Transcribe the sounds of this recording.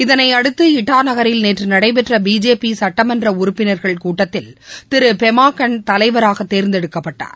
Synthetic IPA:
ɪðɐnɐɪɐɽɯt̪ːɯɪʈːaːnɐɣɐɾɪlneːtrɯnɐɽɐɪpɛʈrɐbiːd͡ʒeːpisɐʈːɐmɐndrɐʊɾʊpːɪnɐɾɣɐɭkuːʈːɐt̪ːɪlt̪ɪɾɯpɛmaːkːɐɳt̪ɐlɐɪʋɐɾaːɣɐt̪ːeːɾnd̪ɛɽɯkːɐpːɐʈːa̰ːɾ

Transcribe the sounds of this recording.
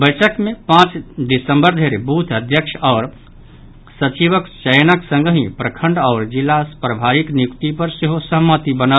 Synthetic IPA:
bəjt͡ʃəkmẽpãt͡ʃd̪isəmbəɾd̪ʱeɾebut̪ʰəd̪ʱjəkʃɔːɾ | sət͡ʃiʋəkt͡ʃəjnəksə̃ŋɡɦĩpɾəkʰə̃ɳɖɔːɾd͡ʒilːaspɾəbʱaɾiknjukt̪ipəɾseɦosəmːət̪ibənəl

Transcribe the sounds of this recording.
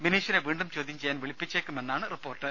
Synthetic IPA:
ʋiniːʂineʋiːɳɖumt͡ɕoːd̪jimt͡ɕejaːnʋiɭipːit͡ɕːeːkːumenːaːɳɨripːo̞ːrʈːɨ

